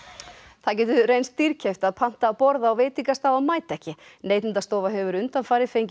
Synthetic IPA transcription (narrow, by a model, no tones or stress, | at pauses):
θacɛːt̪ʏrejnst̪ːiɾ̥cʰeft̪aðpʰan̥t̪aːpɔɾðaːwveːt̪iŋkast̪awamaːjt̪ɛhcɪnejt̪ɪnt̪ast̪oːwvaɦœːvʏɾʏnt̪anfaːjɾɪ̥fejɲc